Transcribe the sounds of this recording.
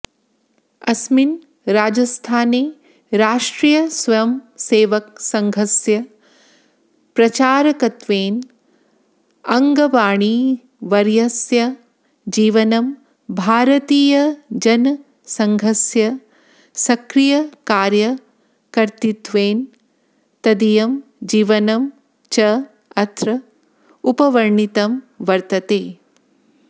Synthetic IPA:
ɐsmin | ɾaːd͡ʒɐst̪ʰaːneː | ɾaːʂʈɾijɐsʋɐjɐmseːʋɐk̚sɐŋɡʱɐsjɐ | pɾɐt͡ʃaːɾɐkɐt̪ʋeːn | ɐŋɡɐʋaːɳi | ʋɐɾjɐsjɐ | d͡ʒiːʋɐnɐm | bʱaːɾɐt̪iːjɐd͡ʒɐn | sɐŋɡʱɐsjɐ | sɐkɾijɐkaːɾjɐ | kɐɾt̪it̪ʋeːn | t̪ɐd̪ijɐm | d͡ʒiːʋɐnɐm | t͡ʃɐ | ɐt̪ɾɐ | upɐʋɐɾɳit̪ɐm | ʋɐɾt̪ɐt̪eː

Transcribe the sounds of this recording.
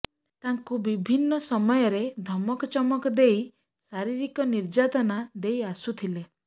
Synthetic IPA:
t̪aŋkubibʱinːɔsɔmɔjɔɾed̪ʱɔmɔkɔt͡ʃɔmɔkɔd̪ej | saɾiɾikɔniɾd͡ʒat̪ɔnad̪ejasut̪ʰile

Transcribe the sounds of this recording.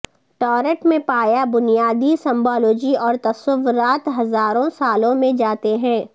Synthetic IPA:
ʈɔːɾəʈmẽpaːjabʊnijaːd̪isɛ̃mbɔːloːd͡ʒiɔːɾt̪ɐsəʋʊɾaːt̪ɦɐzaːɾõsaːlõmẽd͡ʒaːt̪eɦɛ̃ː

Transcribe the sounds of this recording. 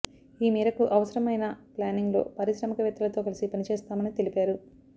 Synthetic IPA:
iːmiːɾɐkuʔɐʋɐsɐɾɐmɐjnɐplaːniŋɡlo̞̰ːpɐɾisɾɐmɐkɐʋjɐt̪ːulɐt̪o̞ːkɐlisipɐnit͡ʃeːst̪aːmɐnit̪e̞lipaːɾu

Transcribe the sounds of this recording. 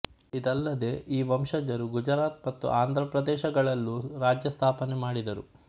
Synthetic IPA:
id̪ɐlːɐd̪e̞ʔiːʋɐmʃɐd͡ʒɐɾuɡud͡ʒɐɾaːt̪̚mɐt̪ːṵʔaːnd̪ʱɾɐpɾɐd̪ɛːʃɐɡɐɭɐlːuɾaːd͡ʒjɐst̪ʰaːpɐnemaːɽid̪ɐɾṵ

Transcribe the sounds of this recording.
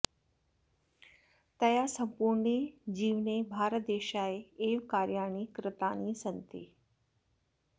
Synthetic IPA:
t̪ɐjasə̃mpuːɾɳed͡ʑiːʋnebʱaːɾət̪̚d̪eːʃaeeːʋkaːɾjaːɽ̃ikɾɪt̪aːnisənt̪ḛː

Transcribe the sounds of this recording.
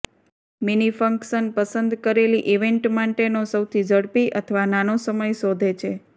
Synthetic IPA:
minifəŋksənpəsənd̪kəɾeliʔiʋeɳʈmaʈenosəwt̪ʰid͡ʒəɽpiʔət̪ʰəʋananosəməjsɔd̪ʱet͡ʃʰe

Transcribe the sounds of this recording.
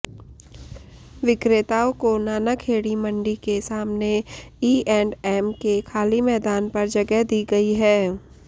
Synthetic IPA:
ʋɪkɾet̪aːõkonaːnakʰeːɽimə̃ɳɖikesaːmneiːʔɛːɳɖɛːmkekʰaːlimɛːd̪aːnpɐɾd͡ʒɐɡɛɦd̪iːɡɐiɦɛː

